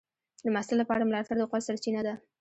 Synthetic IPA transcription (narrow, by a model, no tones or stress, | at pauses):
d̪əmasɪlapɑɽamlɑt̪aɾd̪əqɑlsaɾt͡ʃinad̪a